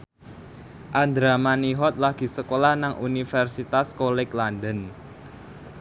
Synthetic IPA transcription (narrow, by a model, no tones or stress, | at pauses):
ʔand̪ɾamaniɦɔt̪̚laɡ̥i̤səkolahnaŋʔunifɛrsit̪askolɛklandən